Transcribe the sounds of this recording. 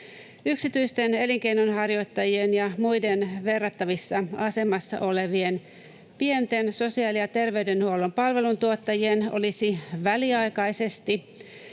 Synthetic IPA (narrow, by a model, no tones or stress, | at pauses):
yksit̪yijst̪ene̞liŋke̞ijnonɦɑrjo̞jt̪ːɑjienjɑmujdenʋe̞rːɑt̪ːɑʋisːɑɑse̞mɑsːɑ̰ʔo̞le̞ʋie̞n | pient̪e̞nso̞siɑːlijɑt̪e̞rʋe̞yde̞nhuo̞lompɑlʋe̞lunt̪uot̪ːɑjieno̞̰lisiʋæliɑjkɑjse̞st̪i